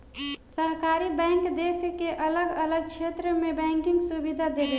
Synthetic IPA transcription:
səɦkaɾibɛ̃ŋkd̪eskeʔələɡələɡ̚t͡ʃʰet̪ɾəmebɛ̃ŋkiŋɡsubid̪ʱad̪ele

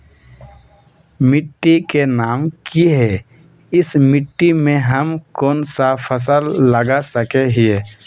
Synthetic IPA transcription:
mɪʈːikenaːmkiɦɛ | ɪsmɪʈːimẽɦəmkoːnsapʰəs̬əlːəɡasəkeɦie

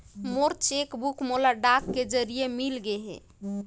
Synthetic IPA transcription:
moɾt͡ʃekbukmolaɖakːed͡ʒəɾijemilɡeɦɛ̰̃

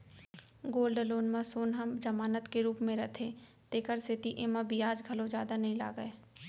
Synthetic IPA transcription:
ɡoːlɖloːnmãsoːnɦɐmd͡ʒɐmaːnət̪keɾuːpmẽɾɐt̪ʰe | t̪eːkəɾsɪt̪iʔeːmãbʱiaːd͡ʒɡʱɐlõd͡ʒjaːd̪anɐɦĩla̰ːɡəeː

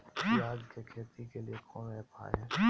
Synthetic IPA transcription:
jaːd͡ʒkekʰeːt̪ikeliekʰõmẽpʰa̰ːɦɛː

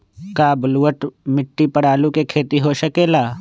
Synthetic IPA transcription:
kaːbluːəʈmɪʈːipɐɽaːlũkekʰeːt̪iɦoːʃɐkeːlaː

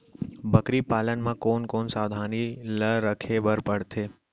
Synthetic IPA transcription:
bʱəkɾipalənmãkonkonsaʋd̪ʱaniləɾəkʰebəɾpəɽt̪ʰe

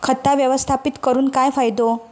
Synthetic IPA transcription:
kʰət̪ːaʋjəʋəst̪ʰapit̪kəɾuːnkajfajd̪o

